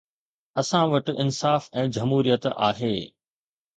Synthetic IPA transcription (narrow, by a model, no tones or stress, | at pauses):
ɐsãʋɐʈɪɪnsaːfɛ̃ːd͡ʑɐmɦuːɾijət̪a̰ːɦeː